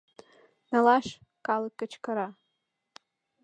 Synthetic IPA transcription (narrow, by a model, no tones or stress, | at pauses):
nalaʃ | kʼalɨkʼːat͡ʃʰkʰaɾa